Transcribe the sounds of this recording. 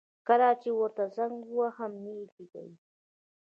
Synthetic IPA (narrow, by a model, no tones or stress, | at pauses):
kaɾat͡ʃewaɾt̪azaŋɡwahamnikiɡa̰j